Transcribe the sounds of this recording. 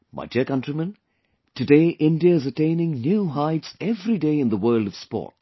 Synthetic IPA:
mʔa̰ɪtʰikʌ̃ntɹimə̃n | tɨdeɪʔɪ̃ndiəɪzətẽɪ̃nɪ̃ŋnjuɦaɪtsɛvɾideɪɨ̃nðəwɜːldʌv̥spɔ̰ːt̚

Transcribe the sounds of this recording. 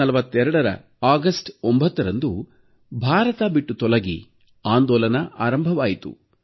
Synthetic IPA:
ɐlɐʋɐt̪ːɛɾɐɽɐɾɐ̰ | aːɡɐsʈombʱɐt̪ːɐɾɐnd̪u | bʱaːɾɐt̪aːbiʈːut̪ɔlɐɡḭ | aːnd̪ɔːlɐnɐʔaːɾɐmbʱɐʋaːjit̪ṵ

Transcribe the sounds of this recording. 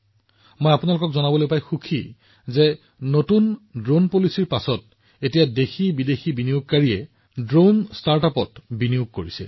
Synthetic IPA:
mojapunalʊkɔkzɔnabɔlojpajxukʰḭ | ze | notundɹonpolisiɹpasɔt̚ | etijadexibidexibinijʊɡ̚kaɹiɛ | dɹonstaɹtapɔtbinijuɡ̚koɹisḭl

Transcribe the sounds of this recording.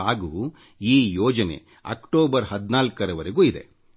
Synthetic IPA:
aːɡuu | iːjɔːd͡ʒɐne̞̰ | ɐ̰kʈoːbɐɾɦɐd̪naːlkɐɾɐʋɐɾeɡuːid̪e̞̰

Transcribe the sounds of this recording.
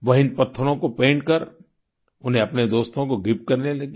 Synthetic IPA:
ʋɐɦɪnpɐt̪ʰːəɾõkopẽːɳʈkɐɾ | ʊnɦẽɐpned̪oːst̪õkoɡʱɪp̚kɐɾnelɐɡi

